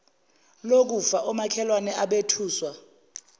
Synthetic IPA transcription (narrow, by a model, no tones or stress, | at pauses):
lok̬ufaʔɔmakʰɛlwanɛʔaɓetʰuːswa